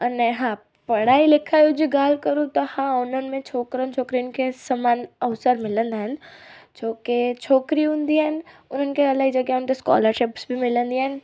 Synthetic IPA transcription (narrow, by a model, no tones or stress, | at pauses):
ɐneɦãː | pɐɽaːilɪkʰajud͡ʒiɡaːlkəɾũt̪ɐhãːʊnən̆mẽt͡ʃʰoːkɾənt͡ʃʰoːkɾiʊnkesɐmaːnɐʋsəɾmɪlə̃nd̪aɦənd͡ʒoːket͡ʃʰoːkɾiʊ̃nd̪iɦɛnʊnɦənkeɐlaid͡ʒɐɡjaʊnkeska̰ːləɾʃɪpsbʱimɪlə̃nd̪iɦɛn